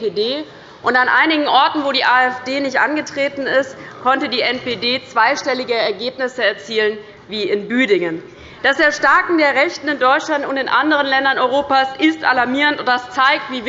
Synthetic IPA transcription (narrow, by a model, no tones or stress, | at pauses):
pedeː | ʔʊntanʔa̰ɪnɪɡŋ̩ʔɔɐtn̩voːdiːʔaːɛfd̥eːnɪçtʔanɡətʁ̥eːtn̩ɪstkʰɔntədiːɛnpedeːt͡sv̥aɪʃtɛlɪɡəɛɐɡeːpnɪsəɛɐt͡siːlən | viːɪnbyːdɪŋən | d̥asd̥eːɐʃtaɐkŋ̩deːɐʁɛçtn̩ɪndɔʏtt͡ʃlantʊntɪnʔandəʁ̞ənlɛndɐnʔɔʏʁoːpaːsʔɪstʔa̰laɐmiːʁəntʊntd̥ast͡saɪk̚tv̥iːv